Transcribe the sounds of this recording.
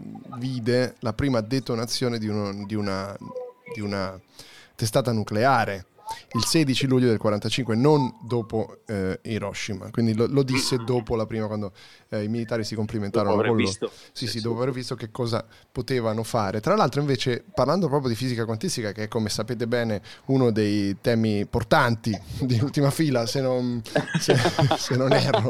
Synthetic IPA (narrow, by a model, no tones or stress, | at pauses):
viːd̪elapɾiːmad̪et̪onat̪sːjoːned̪iud̪iunad̪iuna | t̪es̬t̪aːt̪anukleaːɾe | ilsed̪it͡ʃiluʎːod̪elkwaɾant̪at͡ʃiŋkwenond̪oːpoiɾɔʃːima̰kwind̪ilolod̪isːed̪oːpolapɾiːmakwand̪o | imilit̪aːɾisikomplimẽnt̪aːɾonokolosisːid̪ɔːpoavervist̪ok̟ekːɔːza̰ | pot̪eːvanofaːɾet̪ɾalːalt̪ɾoiɱveːt͡ʃeparland̪opɾɔːp̬jod̪ifiːzikakwant̪ist̪ikakeɛkːomesapeːt̪̬ebɛːneunod̪ejt̪ɛːmiport̪ant̪id̪iult̪imafiːlasenːonsesenːonɛːɾalo